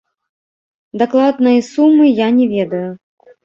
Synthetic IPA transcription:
d̪aklˠad̪nɨjɐsumːɨjanʲɛvʲɛd̪ɐju

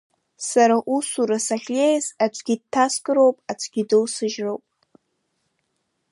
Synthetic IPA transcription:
saɾaʔusuɾasaχʲlejzat͡ʃʷʰʼɡʲid̚tʰːaskʼɨɾo̞wpʼat͡ʃʷʰɡʲidɨlsɨʒrowpʼ

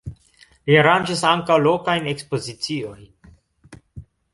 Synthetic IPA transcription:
liaɾanʒasaŋkawlokajnekspozit͡sioj

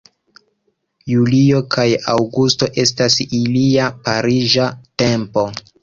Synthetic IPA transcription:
julio̞kʰajawɡusto̞ʔe̞stasiliapaɾiʒate̞mpo̞

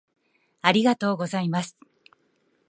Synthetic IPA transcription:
aɾʲiɡat̪o̞ːɡo̞zaimasɨ̥

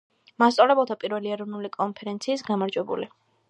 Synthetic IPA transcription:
mast̪sʼalɛbɛlˠt̪ʰapʼiɾvɛliɛɾɔvnulikʼɔnpʰɛɾɛnt̪sʰiːsɡamaɾd͡ʒwɛbṵli

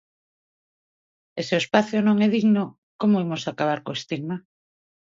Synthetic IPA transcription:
eseoespaθjonõŋɛð̞iɣno | komoimosakaβ̞aɾkoest̪iɣma

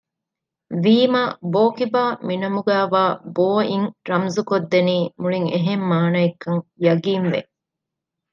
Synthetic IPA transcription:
ʋiːmaːboːkibaːminɐmuɡæːʋaːboːiŋɾɐmzukod̪ːeniːmuɭiŋeɦemːaːnɐekːɐŋjɐɡiːnʋḛ

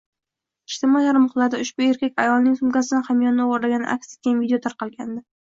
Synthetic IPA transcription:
ɪʃt̪ɪmɒjlaɾmʊχlˠaɾd̪aʊʃb̥ʊe̞ɾkʲakʲajɒlˠnɪŋsʊmkʲasɪd̪anχamjɒnnɪoʁoɾlaɡʲanɪ̰ʔa̰kʲse̥t̪kʲanvid̪ejot̪ʰaɾqɑlˠɡʲand̪ɪ

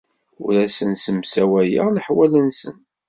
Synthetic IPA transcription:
ʊɾæsənsəmsæwæjḭʁnəħwælənsə̰n

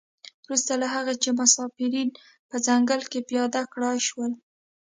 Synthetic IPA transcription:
wɾust̪alaɦaɣat͡ʃemʊsɑfiɾin | pəzaŋɡəlkepjɑd̪akɽɑʃwəl

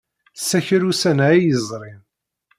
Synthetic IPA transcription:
sːæçɾusænjəzˤɾˤim

